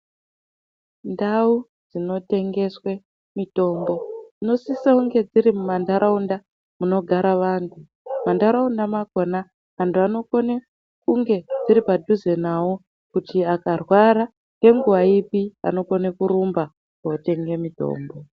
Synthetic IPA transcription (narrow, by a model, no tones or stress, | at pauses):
ndau | d͡zino̞te̞ŋɡe̞swe̞ | mito̞ːmbo̞d͡zino̞sisauŋɡe̞d͡ziɾimumandaɾaunda | muno̞ɡʱaɾaʋaːntʰu | mandaɾaundamako̞na | antʰuano̞kone | kuŋɡe̞d͡ziɾipadʱuze̞nawo | kutiakarwaɾa | ke̞ŋɡuaipia̰no̞konekuɾumba | kaote̞ŋɡe̞mito̞̰ːmbo̞